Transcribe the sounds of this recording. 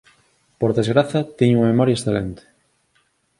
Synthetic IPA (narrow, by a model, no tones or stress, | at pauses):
poɾðezɣɾaθat̪iɲuŋɐmemɔɾjaesθelent̪e̥